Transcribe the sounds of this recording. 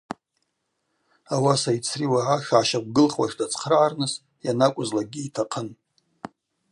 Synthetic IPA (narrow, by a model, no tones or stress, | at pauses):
awasait͡sʰriwaʕaʃʕaʃak̚ʷɡɨlχwa̰ʂdat͡sʰʼχrʕarnɨs | janakʷʼʊzlaɡʲiːtʰaqʰən